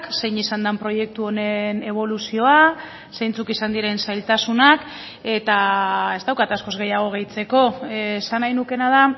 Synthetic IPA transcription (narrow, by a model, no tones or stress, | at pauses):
kse̞jɲisand̪ampɾo̞je̞k̚t̪uo̞ne̞ne̞β̞o̞lusio̞a | sejnt͡sukisand̪iɾe̞nsajlt̪asunak | e̞t̪ae̞zt̪awkat̪asko̞zɣe̞jaɣ̞o̞ɣ̞e̞jt͡se̞ko̞sanajnuke̞nað̞a